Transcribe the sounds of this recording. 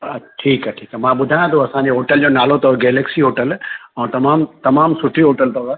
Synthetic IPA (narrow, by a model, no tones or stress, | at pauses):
ʈʰiːkaʈʰiːkɐmãːɓʊd̪ʱaːjãt̪ʰoɐsãɲ̆d͡ʑeɦoːʈəld͡ʑoːnaːl̤ot̪ɐɡeːleksiɦoːʈəlɛ̃ːt̪ɐmaːmt̪ɐmaːmsʊʈʰiɦoːʈəlt̪ɐə